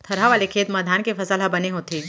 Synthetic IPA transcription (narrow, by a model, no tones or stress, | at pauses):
t̪ʰəɾ̤aʋalekʰeːt̪məd̪ʱankefəsalabəneɦot̪e